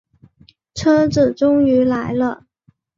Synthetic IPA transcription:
ʈ͡ʂʰɤ˥t͡sɹ̩˨˩ʈ͡ʂʊ˥ŋy˧˥la˧˥ɪlə˧

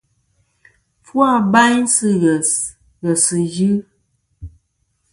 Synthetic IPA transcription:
fwa˦˨ba˦ɲsɨ˦ɣɛ˨s | ɣɛ˨sɨ˨jɨ˦

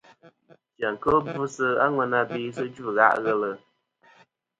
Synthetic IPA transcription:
tja˨ŋ̩˨kə˦bu˦sɨ˦a̰˦ŋwɛ˨na˦biː˦s̬ɨ˦d͡ʒu˦˨ɣa̰˦ʔɣɛ˦lə˨

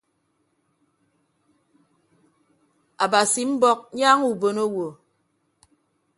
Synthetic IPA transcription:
a˨ba˨si˨m̩˦bɔ˦k̚ɲaː˦ŋu˨bo˨no˦wo˨

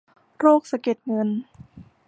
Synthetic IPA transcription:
ɾoː˥˩k̚sa˧ke˨˩t̪̚ŋɤ˧n

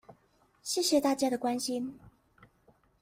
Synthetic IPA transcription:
ɕjɛ˥˩ɕjɛ˨˧t̪a˥˩t͡ɕja˥d̪ə˨kwa˦nɕi˦˥n

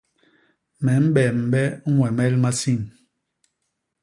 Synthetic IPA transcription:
mɛ˨˦m̩˦bɛ˨m̩˨bɛ˦ŋ̩˦wɛ˨mɛ˦lma˦si˦˨n

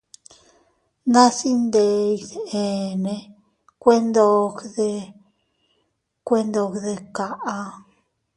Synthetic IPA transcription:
nã˦si˦nd̪e˧i˧ðe˨nẽ˧ | kʷe˦nd̪o˧kðe˧ | kʷe˦nd̪o˧kðe˧ka˨ʔa˧

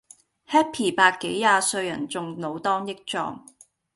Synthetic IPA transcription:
hɛː˥pʰiː˨˩paː˧kkːe˨˥jːaː˧sɵ˧ɥjɐ˨˩nt͡sʊ˨ŋno˨˧wt̪ɔː˥ŋjɪ˥k̚t͡sɔ̰ː˧ŋ

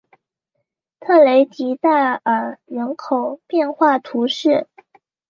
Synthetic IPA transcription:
t̪ʰɤ˥˩le˧˥ɪt͡ɕi˧˥t̪a˥˩ɪə˨˩ɻə˧˥nkʰo˨˩ʊpjɛ˥˧nxwa˥˩t̪ʰu˧˥ʂɻ̩˥˩

